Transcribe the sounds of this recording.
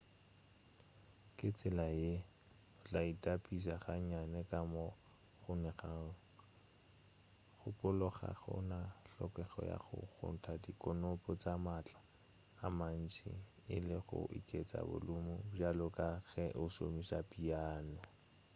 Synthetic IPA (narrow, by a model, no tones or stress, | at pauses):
kʼɪt͡sʼɪlaje | ʊt͡ɬʼaitʼapʼisaχaɲanɛkʼamɔ | χʊnɛχa | χʊpʼʊlʊχa̰ɣʊ̰naɬɔkʼɛχɔ̰ja̰χʊ̰ɣʰʊ̰n̩tʰadikʼɔnʊpʼɔt͡sʼamat͡ɬʼḁː | man̩t͡ʃʰʼḭ | ɪlɪχʊ̰ʔḭkʼet͡sʼa̰bʊ̰lʊmʊbjalʊkʼaɣɛʔʊso̰misapʼiaːnɔ